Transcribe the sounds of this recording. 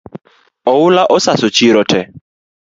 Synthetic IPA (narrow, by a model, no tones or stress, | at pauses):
ɔʊlaʔɔsasɔt͡ʃʰiɾɔtʰɛ